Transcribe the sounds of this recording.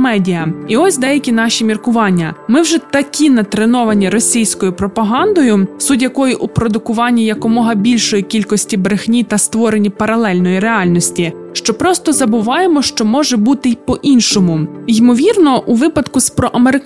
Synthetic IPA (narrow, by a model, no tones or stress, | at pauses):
mɛdʲijɐiɔsʲd̪ɛjɐkʲin̪ɑʃʲimʲirkʊʋɑnʲːɐmɪwʒɛt̪ɐkʲʰinɐt̪ɾenɔʋɐnʲiɾɔsʲijsʲkɔjʊpɾɔpɐɦɑnd̪ɔjʊsudʲjɐkɔjiʔupɾɔd̪ʊkʊʋɑnʲːijɐkɔmɔɦɐbʲilʲʃɔjikʲilʲkɔsʲtʲibɾɪxnʲit̪ɐst̪ʋɔɾe̞nʲipɐɾɐlˠɛlʲnɔjiɾeɑlʲnɔsʲtʲi | ʃt͡ʃɔpɾɔst̪ɔzɐbʊʋɑjemɔʃt͡ʃɔmɔʒɛbut̪ɪjpɔʔinʃɔmʊjmɔʋʲirnɔʔuʋɪpɐd̪kʊspɾɔʔɐmeɾɪ